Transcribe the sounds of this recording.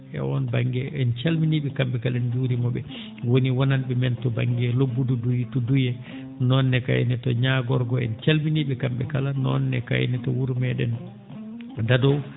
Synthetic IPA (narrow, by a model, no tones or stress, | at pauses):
ɛ̰wɔnbaŋɡɛʔɛnt͡ʃalminiɓɛkambɛkalɛnd͡ʒuːɾimɔɓɛ | woniwɔnanɓɛmɛntɔba̰ŋɡɛlobːududutudujɛ | nɔnːɛka̰j̰nɛtɔɲaɡɔɾɡɔɛ̰nt͡ʃalminiɓɛkamɓɛkalanɔ̰nːɛ̰ka̰j̰nitɔwuɾmɛɗɛ̰n | dadɔ